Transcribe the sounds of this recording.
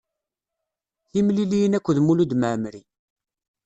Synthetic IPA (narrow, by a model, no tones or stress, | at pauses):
θimlilijənækʷːðmulud̪məʕmɾi